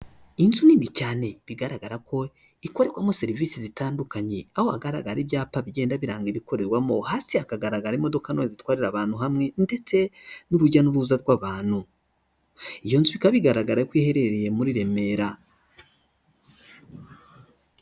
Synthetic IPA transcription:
inzuniːnicaːne̞βiɡaɾaɡaɾako̞ | iko̞ɾe̞kwamoseɾivisizitaːndukaɲe̞ahoa̰ɡaɾa̰ɡaɾiβjaːpaβiɟe̞ːndaβiɾaːŋɡeβiko̞ɾe̞ɾwamo̞haːsiakaɡaɾaɡaɾimo̞do̞kanoezitwaːɾiɾaβaːnhuɦamŋe̞nde̞t͡se̞nuɾuɟanuɾuzaɾɡwaβaːn̥hu | ijo̞nzuβikaβiɡaɾaɡaɾakwiːhe̞ɾe̞ɾeje̞muɾiɾe̞me̞ɾa

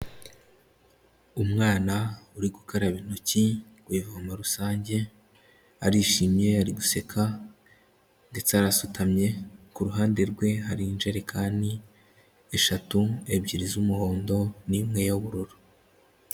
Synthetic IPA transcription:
umŋaːnauɾiɡukaɾaβinoci | ɡwaivavamaɾusaːɲɟe̞ | aɾiʃimje̞aɾiɡuse̞kʰa | nɡet͡saɾasutʰamɲe̞kuɾuɦaːnde̞ɾɡwe̞ɦaɾind͡ʒe̞ɾe̞kʰaːndi | eʃatuebɟiɾizumuho̞ːndo̞nimŋe̞joβuɾuɾo̥

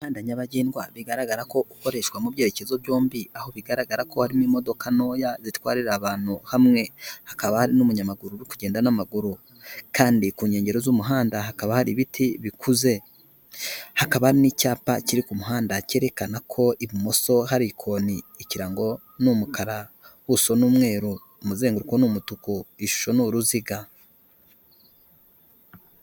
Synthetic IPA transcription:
haːndaɲaβaɟeːnɡwaβiɡaɾaɡaɾako̞ʔuko̞ɾe̞ʃwamubɟe̞ɾe̞ce̞zo̞βjo̞ːmbiaho̞βiɡaɾaɡaɾakohaɾimimo̞do̞kano̞ːjazitwaːɾiɾaβaːn̥huhamŋe̞hḁkaβahaɾinumuɲamaɡuɾuɾikuɟe̞ːndanamaɡuɾu | kaːndikuːɲe̞ːɲɟe̞ɾo̞zumuɦaːndaɦakaβahaɾiβitiβikʰuze̞ | hakaβahaɾinicaːpaciɾikumuɦaːndace̞ːɾe̞kanakʰo̞ʔiβimo̞so̞ɦaɾikʰo̞ni | iciɾaŋɡo̞ | numukaɾa | huso̞nuːmŋe̞ːɾuː | muzeːŋɡuɾikonumutukuiʃu̥ʃo̞nuɾuziɡa

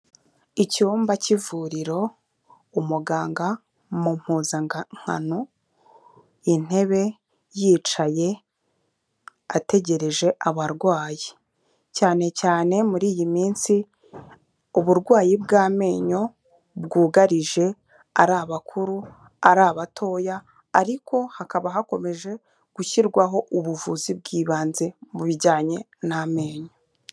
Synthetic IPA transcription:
icuːmbacivuːɾiɾo̞ | umuɡaːŋɡa | mum̥huːzaŋ̥ha̰no | in̥he̞βe̞ | jiːt͡ʃaje̞ | ate̞ɟe̞ɾe̞ʒe̞ʔaβaɾɡwaːji | caːne̞caːne̞muɾiːjimiːnsi | uβuɾɡwaːjibɡaːme̞ːɲo̞ | bɡuːɡaɾiʒe̞ | aɾaːβakʰuɾu | aɾaːβatʰo̞ːjaː | ɾikʰo̞hakaβaɦako̞me̞ʒe̞ | ɡ̥uçiɾɡwaɦo̞ʔuβuvuzib̚ɡiːβaːnze̞muβiɟaːɲe̞ | name̞ːɲo̞

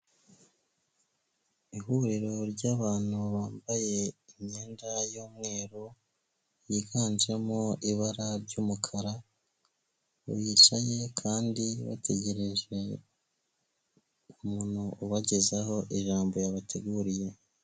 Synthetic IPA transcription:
ihuɾiɾo̞ɾɟaːβaːn̥huβaːmbaje̞iɲɲe̞ːndajoːmŋe̞ːɾo | jiɡaːnd͡ʒe̞moʔiβaɾaɾɟuːmukʰaɾa | jiʃaje̞kʰaːndiβa̰tʰe̞ɟe̞ɾe̞ʒe̞ | uumunuʔuβaɟezaho̞ʔiʒaːmbo̞jaβatʰeɡuːɾije̞

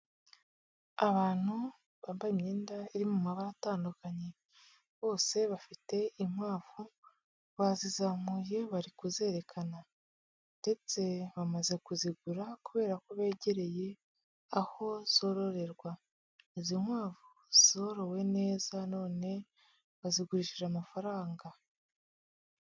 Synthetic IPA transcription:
aβaːn̥hu | βaːmbaimɲiːndaiɾimumaβaɾataːndukaɲe̞ | βo̞ːse̞βafite̞imhaːvu | βazizamuje̞βaɾikuze̞ːɾe̞kʰana | nde̞t͡se̞βamaze̞kuziɡuɾakuβe̞ːɾakoβe̞ːɟe̞ɾe̞je̞ | aho̞z̥o̞ɾo̞ɾe̞ɾɡwa | izimwaːvu | z̥o̞ɾo̞we̞ne̞ːzano̞ːne̞ | βaziɡuɾiʃiʒamafaɾaːŋɡa

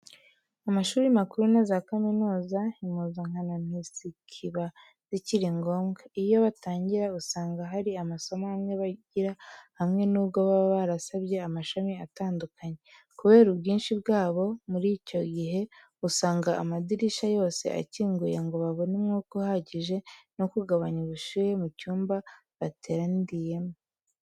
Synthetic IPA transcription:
amaʃuːɾimakuɾunezakaminuːzaimuzaŋ̥hananhisikʰiβa | ziciɾiŋɡo̞ːmɡaijo̞βataːɲɟiɾausaːŋɡaɦaɾiamaso̞mahamŋeβaɟiɾahamŋe̞nuːbɡoβaβaɾasaβɟe̞amaʃamiataːndukʰaɲe̞ | kuβe̞ːɾubɡiːnʃibɡaːβo̞muɾico̞ɟiɦe̞ | usaːŋɡaːmadiɾiʃajo̞ːse̞̰ʔa̰ciːŋɡujeŋɡo̞βaβo̞nimŋukuhaɟiʒe̞no̞kuɡaβaɲuβuʃuːje̞mucuːmba | βatʰe̞ɾandije̞mo

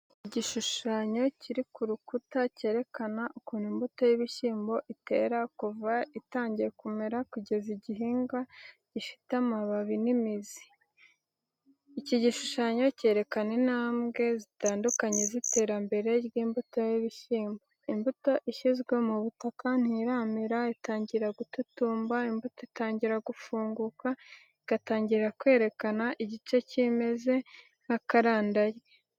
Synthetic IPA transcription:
iɟiʃuʃaɲo̞ciɾikuɾukutace̞ːɾe̞kanaʔukuːnimbuto̞jiβiʃiːmbo̞ʔite̞ːɾakuvaitaːɲɟie̞kume̞ɾakuɟe̞ziɟiɦiːŋɡaɟifi̥tamaβaβinimizi̥ | iciɟiʃuʃaɲo̞ce̞ːɾe̞kane̞naːmɡe̞zitaːndukaɲe̞zite̞ːɾambe̞ɾe̞ɾɡiːmbuto̞jiβiʃiːmboimbuto̞ʔiʃizɡwe̞muβutakan̥hiɾaːmiɾaitaːɲɟiɾaɡututuːmbaimbutoitaːɲɟiɾaɡufuːŋɡuka | iɡ̥ataːɲɟiɾɾakwe̞ːɾe̞kanaʔiɟit͡ʃe̞cime̞ze̞ | nakaɾaːndajɡe

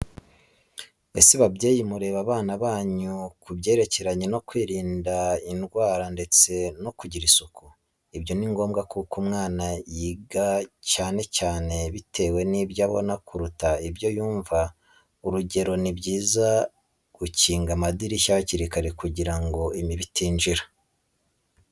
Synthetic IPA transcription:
esiβabjeːjimuɾe̞βaβaːnaβaːɲukubɟe̞ːɾe̞ce̞ɾaɲeno̞kwiːɾiːndainɡwaːɾande̞t͡se̞no̞kuɟiɾisuku | ibjo̞niŋɡo̞ːmɡakukumŋaːnajiɡacaːne̞caːne̞βitʰe̞ːwe̞nibjaβo̰nakuɾutaibjo̞juːɱva | uɾuɟe̞ɾo̞nibɟiːza | ɡ̥uciːŋɡamadiɾiʃaβaciɾikaɾekuɟiɾaŋɡo̞imiβitiːnʒiɾa

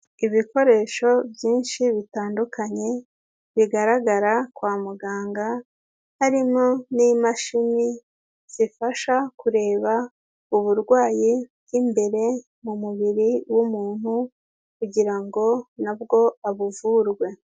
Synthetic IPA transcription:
iβiko̞ɾe̞ʃo̞bjiːnʃiβitaːndukʰaɲe̞ | βiɡaɾaɡaɾakwaːmuɡaːŋɡa | haɾimonimaʃimi | z̥ifaʃakuɾe̞ːβa | uβuɾɡwaːji | jimbe̞ɾe̞ | mumuβiɾiwumuːn̥hu | kuɟiɾaŋɡo̞nabɡo̞aβuvuɾɡwe̞

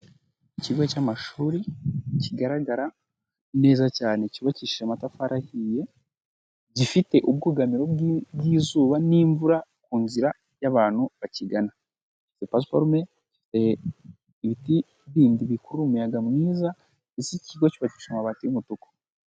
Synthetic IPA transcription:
iciɡwecaːmaʃuːɾiciɡaɾaɡaɾa | ne̞ːzacaːneciɡociʃamatafaɾʔahije̞ | ɟifite̞ʔub̚ɡuːɡamiɾo̞bɡiːzuːβaniːɱvuɾakuːnziɾa | jaβaːnhuβaciɡana | ifi̥tepasfoɾme | ɟifi̥te | βiti | βiːndiβikuɾuɾumujaɡamuniːza | isiciɡo̞ciβaci̥ʃomaβatijumutuko̥

